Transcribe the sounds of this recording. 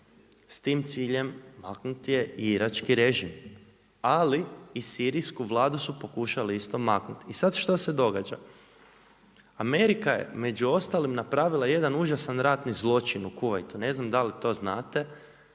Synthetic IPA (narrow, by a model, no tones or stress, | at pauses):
st̪iːmt̪siːʎe̞mːaknut̪je̞iɾat͡ʃkiɾeʒim | aliːsiːɾiskuʋlˠaːd̪usupo̞kuʃaliist̪o̞maknut̪isad̪ʃt̪o̞se̞d̪o̞ɡad͡ʒa̰ | ame̞ɾikaje̞̰me̞d͡ʒuo̞st̪alimnapɾaːʋilˠaje̞d̪anuʒasanɾat̪nizlˠo̞t͡ʃinukuʋajt̪une̞znamd̪alit̪o̞ːznaːt̪e̞